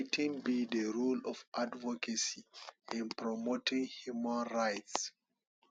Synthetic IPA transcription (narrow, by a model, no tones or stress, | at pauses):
tĩŋbidəɹulɔfadvɔkʰasiĩnpɹɔmotĩŋhjumãnɹajts